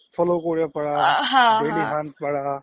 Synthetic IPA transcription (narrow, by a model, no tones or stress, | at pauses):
fʰəlokoːɽjapɐɽaːɦãbʱeliɦãːnt̪̚pɐɽaː